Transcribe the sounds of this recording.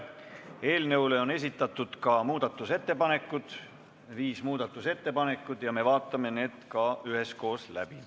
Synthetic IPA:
e̞ːlne̞wle̞o̞ne̞sʲit̪ːˑɑt̪ːˑud̪̥kɑmuːd̪̥ɑt̪ːˑuse̞t̪ːe̞pɑne̞kːˑud̪̥ | viːsmuːd̪̥ɑt̪ːˑuse̞t̪ːe̞pɑne̞kːˑud̪̥jɑme̞vɑːt̪ːˑɑme̞ne̞ːd̪̥kɑyɦe̞sko̞ːslæ̰b̥i

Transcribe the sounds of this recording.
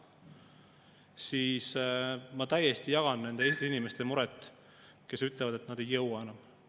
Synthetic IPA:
siːsmɑt̪æjest̪ijɑɡ̥ɑnne̞nd̪e̞eːsʲt̪iinime̞st̪e̞muɾɛt̪ːˑ | ke̞syt̪ːˑlɛvɑd̪̥e̞t̪nɑd̪̥e̞jːɤwwɑe̞nɑm

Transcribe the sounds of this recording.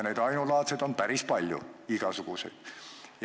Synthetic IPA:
neːd̪ɑinulɑːt̪sed̪onpæɾispɑlʲjṵikɑsukusḛd̪̥j

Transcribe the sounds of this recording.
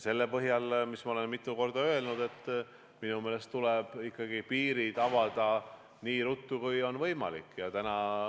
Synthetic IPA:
se̞lːepɤɦjɑlmismɑole̞nmit̪ːˑuko̞rd̪ɑø̞e̞lnud̪̥e̞t̪ˑː | minumeːle̞st̪uleb̥ikːɑɡipiːɾid̪̥ɑvɑd̪̥ɑ | niːɾut̪ːukujo̞nvɤjmɑ̰lḭkːˑjɑt̪ænɑ

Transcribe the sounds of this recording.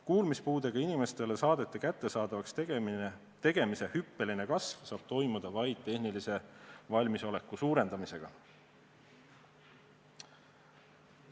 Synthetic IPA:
kuːlmispuːd̪e̞ɡ̥ɑinime̞st̪e̞le̞sɑːd̪̥e̞t̪ːˑekæt̪ːe̞sɑːd̪̥ɑvɑkst̪ | t̪e̞ɡ̥e̞mise̞hypːe̞line̞kɑsvsɑːb̥̚t̪o̞jmud̪̥ɑvɑjd̪̥̚t̪ːe̞hnilise̞vɑlʲmiso̞le̞kːˑusuːɾe̞nd̪̥ɑmise̞ɡ̥ɑ

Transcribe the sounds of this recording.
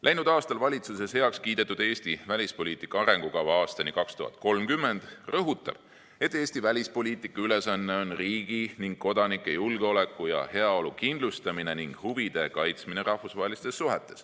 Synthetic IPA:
lʔæjnud̪ɑːst̪ɑlvɑlʲit̪suse̞she̞ɑkskiːd̪̥e̞t̪ːˑud̪e̞ːsʲt̪ivælʲispo̞lʲiːt̪ˑikˑːɑɑɾe̞ŋɡ̥ukɑwɑɑːst̪ɑnikɑkst̪uhɑ̰t̪̚ˑko̞lmkymːe̞nd̪̥rɤɦut̪ːˑɑ̰b̥ | e̞t̪ːˑeːsʲt̪ivælʲispo̞lʲiːt̪ːˑikːˑɑyle̞sɑnːe̞o̞nriːɡ̥iniŋɡ̥̚ko̞d̪ɑnikːˑejulɡ̥eo̞le̞kːˑujɑ̰he̞ɑo̞lukind̪̥lust̪ɑmine̞niŋɡ̥huvid̪̥e̞kɑjt̪smine̞ɾɑhfusvɑɦelʲist̪e̞sːuɦe̞t̪ːˑe̞s

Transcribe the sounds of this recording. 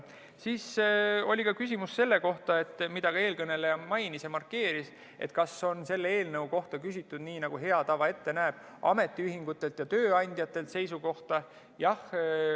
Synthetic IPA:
siːso̞lʲikɑkys̬ʲimusːe̞lːe̞ko̞ht̪ɑe̞t̪ːˑmid̪̥ɑɡɑeːlkɤne̞lejɑmɑjnisjɑmɑrkːe̞ːɾis | e̞̰t̪kɑso̞nse̞lːee̞ːlnɤwko̞ht̪ɑkysʲit̪ːˑud̪niːnɑɡ̥uɦe̞ɑt̪ɑvɑe̞t̪ːe̞næːb̥ | ɑ̰me̞t̪ːˑiyɦiŋɡ̥ut̪ːˑe̞lt̪jɑt̪ø̞ːɑnʲd̪̥jɑt̪ːˑe̞lt̪se̞jsuko̞ht̪ɑ | jɑh

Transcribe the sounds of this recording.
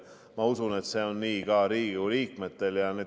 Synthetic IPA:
mɑusune̞t̪ːse̞ːo̞nːiːkɑːɾiːɡuliːk̚met̪ːe̞ljɑne

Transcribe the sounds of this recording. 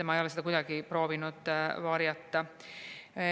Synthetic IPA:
æmɑejolesit̪ækut̪ɑkiproːʋinut̪ʋɑrjɑt̪ːɑ

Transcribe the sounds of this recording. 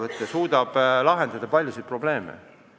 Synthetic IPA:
vɤt̪ːˑesuːd̪ɑb̥lɑɦe̞nd̪ɑd̪̥ɑpɑlʲːjusejt̪̚pro̞b̥le̞ːmḛ

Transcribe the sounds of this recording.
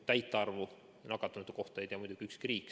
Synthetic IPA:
t̪æjt̪ːˑeɑrvu | nɑɡɑt̪ːˑɑnut̪uko̞ht̪ɑjjd̪iɑmud̪uɡ̥iykskriːkː

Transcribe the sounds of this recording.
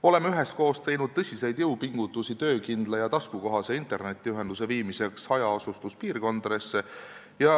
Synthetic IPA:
o̞le̞meyɦest̪̚ko̞ːst̪e̞jnud̪̥̚t̪ɤsʲise̞jd̪̥jewpiŋɡ̥ut̪ːˑusit̪ø̞ːkind̪̥lɑjɑt̪ɑskuko̞ɦɑse̞int̪ˑe̞rne̞t̪ʲːˑiyɦend̪use̞viːmise̞ksɑjɑosust̪uspiːɾko̞nd̪̥ɾe̞sːe | jɑ

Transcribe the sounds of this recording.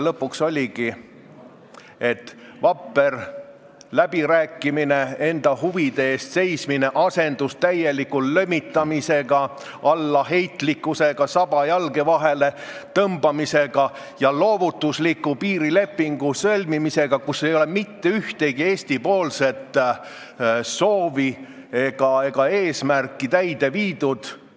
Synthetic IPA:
lɤpːˑukso̞lʲiɡ̥i | e̞t̪vɑpːˑe̞r | læb̥iɾæːkˑːimine̞e̞nd̪̥ɑhuvid̪̥e̞eːst̪se̞jsmine̞ʔɑse̞nd̪̥ust̪æje̞likːullømːit̪ːˑɑmise̞ɡ̥ɑ | ɑlːɑɦe̞jt̪ˑlikːˑuse̞ɡ̥ɑsɑb̥ɑjɑlɡe̞vɑɦe̞le̞t̪ɤmbɑmise̞ɡ̥ɑ | jɑlo̞ːvut̪ːˑuslikːˑupiːɾile̞pːiŋɡ̥usɤlʲmimise̞ɡ̥ɑkuse̞jo̞le̞mit̪ːe̞yht̪e̞ɡ̥ie̞ːsʲt̪ipo̞ːlse̞t̪ | so̞ːvi | e̞ɡ̥ɑe̞ɡ̥ɑe̞ːsmærkːˑit̪æjd̪̥e̞viːd̪̥ud̪̥

